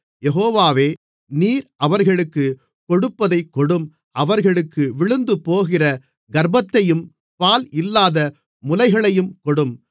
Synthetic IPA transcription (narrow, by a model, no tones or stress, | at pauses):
jɛɦoːʋaːʋeː | niːɾʔɐʋɐɾɣɐɭɯkːɯ | kɔɽɯpːɐðɐɪkːɔɽɯm | ʔɐʋɐɾɣɐɭɯkːɯʋɪɭɯnd̪ɯpoːɣɪrɐ | ɡɐɾbɐt̪ːɐjɯm | paːlɪlːaːðɐ | mʊlɐɪɣɐɭɐjɯmkɔɽɯm